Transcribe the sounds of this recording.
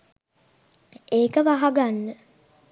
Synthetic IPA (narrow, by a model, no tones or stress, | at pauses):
eːkəʋaɦaɡanːə